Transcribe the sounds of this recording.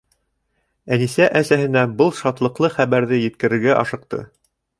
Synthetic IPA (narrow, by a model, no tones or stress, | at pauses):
ænisæʔæsæhɘ̆næbɤlˠʃɑt̪lˠɤ̆qlˠɤχæβæɾðɘjɘ̆t̪̚kɘ̆ɾɘ̆ɾɡæʔɑʃɤ̆q̚t̪ɤ̰